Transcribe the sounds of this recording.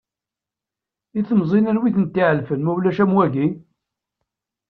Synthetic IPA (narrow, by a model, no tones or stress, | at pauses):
iθəmzˤinænwiθənt̪ːiʕəlfənmæwlæʃæmwæʝi